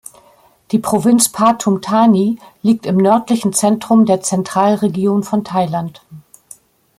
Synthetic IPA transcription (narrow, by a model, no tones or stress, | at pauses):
d̥iːpʁ̥ovɪnt͡spʰaːtʰʊmtʰaːniːliːk̚tɪmnœɐtlɪçn̩t͡sɛntʁ̥ʊmdeːɐt͡sɛntʁ̥aːlʁeɡjoːnfɔntʰaɪlant